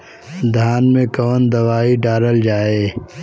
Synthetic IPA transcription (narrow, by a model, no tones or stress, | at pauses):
d̪ʱaːnmẽkɔːnd̪ɐʋaːiɖaːɾəld͡ʒaːeː